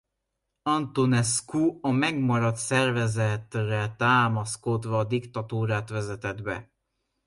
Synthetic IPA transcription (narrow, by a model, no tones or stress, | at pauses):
ɒnt̪onɛskuɒmɛɡmɒɾɒt̪sɛrvɛzɛt̪rɛt̪aːmɒskod̪ʋɒːd̪ikt̪ɒt̪uːɾaːt̪ʋɛzɛt̪ɛd̪bɛ̰